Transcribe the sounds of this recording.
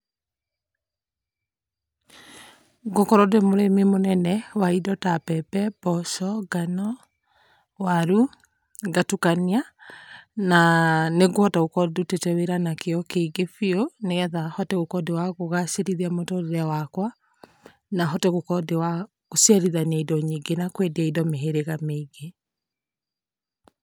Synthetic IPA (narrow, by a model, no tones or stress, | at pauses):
ɡokɔɾɔdemoɾememonɛnɛwaidɔtapɛpɛbɔʃɔɡanɔ | waɾu | ɡatukania | naneɡwɔtaokɔdutetɛweɾanakeɔkeɡefioneɣɛðahɔtɛɣokɔdewaɣoɣaʃeɾiðiamotɔɾeɾɛwakwa | naɦɔtɛɣokɔdewa | osiaɾiðaneidɔɲiɡenakwediaidɔmeɦeɾeɣameɡe